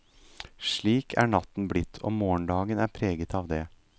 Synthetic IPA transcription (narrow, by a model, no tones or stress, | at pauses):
ʂɭiːkʰæːɳɑt̪n̩blɪt̪ʰːo̰ːmoːəɳɖ̪ɑːɡənæːɾpʰɾeːɡət̪ʰɑːʋd̪eː